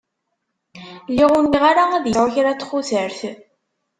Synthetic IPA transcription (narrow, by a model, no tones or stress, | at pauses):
lːiʁʊnːiʁaɾaæðjəʁaçɾat͡sːχuθəɾθ